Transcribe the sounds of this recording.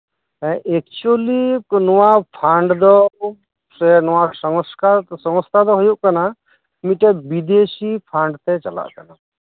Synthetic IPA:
ɛek̚t͡ʃuolinɔwapʰaɳɖd̪ɔ | sɛnɔwasɔŋskasɔŋɔst̪ʰad̪ɔɦujuʔkana | miʈɛbid̪esipʰaɳɖt̪ɛt͡ʃala̰ʔkana

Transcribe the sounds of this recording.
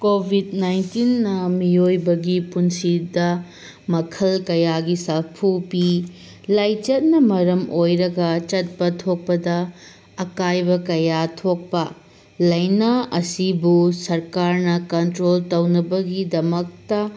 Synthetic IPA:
kobʱidnajntinːɐmiojbɐɡipunsidɐ | mɐkʰɐlkɐjaɡisɐpʰupi | lajt͡ʃɐt̚nɐmɐɾɐmʔojɾɐɡɐt͡ʃɐt̚pɐtʰok̚pɐdɐː | kajbɐkɐjatʰok̚pɐ | lɐjnaɐsibusɐɾkaɾnɐkɐntɾoltɐwnɐbɐɡidɐmɐk̚tɐ

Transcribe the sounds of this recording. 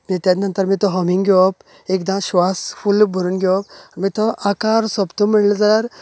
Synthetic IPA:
mit̪janɐnt̪əɾmit̪ɔɦɔmiŋɡɡʱjɔp | ekd̪ãmɕʋasfʰulbʱəɾuːnɡjɔpaɾmit̪ɔʔakaɾsɔbt̪umiɭləd͡zalaɾ

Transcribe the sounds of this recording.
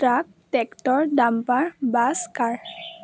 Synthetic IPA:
ʈɾak̚ | ʈɛkʈɔɹɖampaɹbaskaɹ

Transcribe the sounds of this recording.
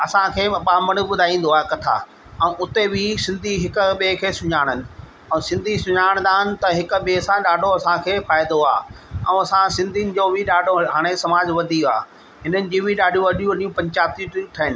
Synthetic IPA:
ɐsãkʰeːɐɓaːməɽ̃ʊɓʊd̪ʱaːĩːn̆d̪oaːɦekɐt̪ʰa̰ː | ɛ̃ʊt̪ebɪsɪ̃nd̪ʱiɦɪkʊ̆ɓeːkʰeːsʊɲaːɽ̃ənɪ̆ | ɛ̃sɪ̃nd̪ʱisʊɲaːɪɽ̃nd̪aːɦɪnɪ̆t̪ɐɦɪkɓeːsãɗaːɖʱoɐsãkʰeːfaːɪd̪oaːɛ̰̃ɐsãsɪ̃nd̪ʱinɪ̆d͡ʑoːbʱɪɗaːɖʱoɦaːɽ̃esɐmaːd͡ʑʋɐd̪ʱia̰ː | ɦɪnənɪ̆d͡ʑiːbʱɪɗaːɖ̤ʱijũɐɗijũɐɗijũpɐ̃ɲt͡ɕaːb̚t̪iʈit̪ʰɐɦɪnɪ̆

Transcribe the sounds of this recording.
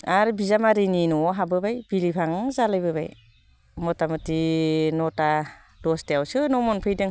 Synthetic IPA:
aɾbizamaɾininɔɦabɯbajbilipʰaŋzalajbɯba̰j | mɔtamɯtinɔta | dɔstejawsɯnɔmɔnpʰɯjdɯŋ

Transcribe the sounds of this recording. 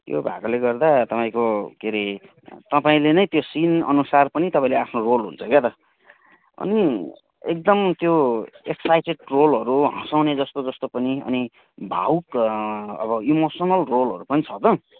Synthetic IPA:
t̪jo̰bʱa̰kʌleɡʌrd̪at̪ʌpaĩkokeɾi | t̪ʌpaĩlenʌjt̪josinʌ̰nusarpʌnit̪ʌpãĩleapʰnorolɦṵnt͡sʰʌket̪ʌ | ʌ̰ni | ek̚d̪ʌmt̪joeksajʈeɖrolɦʌɾuɦʌ̃sawned͡zʌst̪od͡zʌst̪opʌniʌ̰ni | bʱa̰wk | ʌbʌimosʌnʌlrolɦʌɾupʌnit͡sʰʌt̪ʌ

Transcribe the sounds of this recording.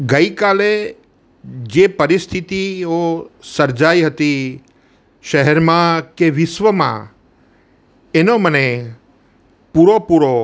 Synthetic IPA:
ɡəikale | d͡ʒepəɾist̪ʰit̪iosəɾd͡ʒaiɦət̪i | ʃəɦɛɾmãkeʋɪʃʋəmã̰ | enoməne | puɾopuɾo

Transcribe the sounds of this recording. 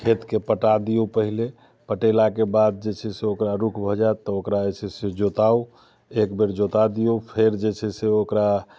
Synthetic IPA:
kʰet̪kepəʈad̪ijopəɦile | pəʈelakebad̪̚d͡ʒet͡ʃʰɛseokɾaɾukʰbʱɔd͡ʒaet̪ɔokɾad͡ʒet͡ʃʰɛsed͡ʒot̪au | ekbeɾd͡ʒot̪ad̪ijopʰeɾd͡ʒet͡ʃʰɛseokɾa

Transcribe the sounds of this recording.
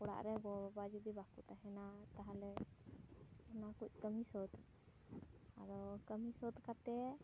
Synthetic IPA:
kɔɽa̰ʔɾɛɡɔbabad͡ʒud̪ibakut̪aɦɛnat̪aɦalɛ | ɔnakuc̚ˀkəmisɔd̪ | aɾɔkəmisɔd̪kat̪ɛ

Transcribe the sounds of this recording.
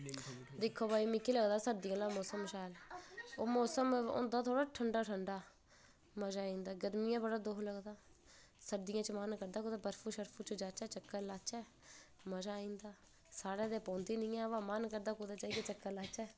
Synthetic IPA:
d̪ɪkʰːoːbaːiːmɪkːiːləɡd̪aːsəɾd̪ɪjãːlaːmɔːsəmʃaːloːmoːsəmʊ̰nd̪aːt̪ʰoːɽaːʈʰəɳɖaːʈʰəɳɖaː | məd͡ʒaːĩːnd̪aːɡəd̪mijãːbəɽaːd̪oːkləɡd̪aː | səɾd̪ɪjãːt͡ʃəmənkəɾd̪aːkoːd̪aːpəɾfʰuːʃəɾpʰuːt͡ʃd͡ʒaːt͡ʃɛːt͡ʃəkːəɾlaːt͡ʃɛː | məd͡ʒaːĩːnd̪aː | saːɽaːd̪eːpõːnd̪iːnɪ̃ːãːʋãːmənkəɾd̪aːkud̪aːt͡ʃaːiɡeːt͡ʃəkːəɾlaːt͡ʃɛː

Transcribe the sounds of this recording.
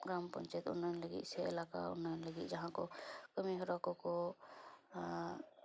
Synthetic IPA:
ɡɾampɔɲt͡ʃajt̪ṵnɔnləɡḭt̪̚sɛɛ̰laka̰ṵnɔnləɡit̪̚d͡ʒaɦãkɔkəmiɦɔɾakɔkɔ

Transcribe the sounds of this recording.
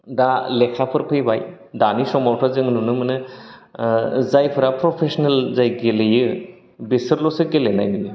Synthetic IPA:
dalɛkʰapʰɯɾpʰɯjbaj | danisɔmɔɾpʰazɯŋnunɯmɯnɯ | zajpʰɯɾapʰɾɔpʰesɔnelzajɡelejɯ | besɯɾlɔsɯɡelena̰jmɯjɯ

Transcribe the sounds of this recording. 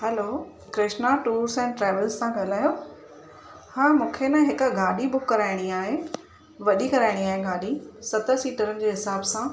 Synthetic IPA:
hɛlo | kɾɪʃnaʈuːɾsɛ̃ːʈɾɛːʋəlzsãɡʱɐlaːjoː | haːmũːkʰenɐɦɪk̆ɡaːɗibʊkːɐɾaːɪɽ̃iaːɦe | ʋɐɗikɐɾaːɪɽ̃iaːɦeɡaːɗisɐt̪əsiːʈəɾənɪ̆d͡ʑeːɦɪsaːbsã

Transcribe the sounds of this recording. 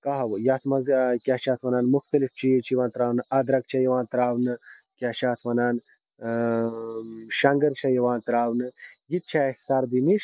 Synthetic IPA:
kaɦɐʋjat̪ʰmɐzkʲaːʃaːt̪ʰʋɐnaːnmuxt̪ɐlift͡ʃʰijet͡ʃʰjʋaːnt̪ɾaːwnɨɐd̪ɾɐk̚t͡ʃʰɐjɐʋaːnt̪ɾaːwnɨ | kʲjaʃaːt̪ʰʋɐnaːn | ʃɐŋɡɐɾt͡ʃʰɐjɐʋaːnt̪ɾaːwnɨjit̪̚t͡ʃʰaest̪aɾd̪iniʃ

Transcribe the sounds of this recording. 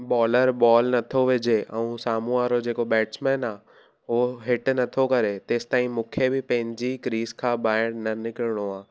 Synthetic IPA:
bɔːləɾbɔːlnɐt̪ʰoʋed͡ʑeʔɛ̃ũsaːmuaːɾod͡ʑeːkobɛːʈt͡ʃmɛːnaː | ɦoɦɪʈnɐt̪ʰokɐɾet̪eːst̪aːɦĩmũːkʰebɪpɐ̃ɦɪ̃ɲd͡ʑikɾiːzkʰãːbaːɪɽ̃nɐnɪkɪɾɪɽ̃oaː

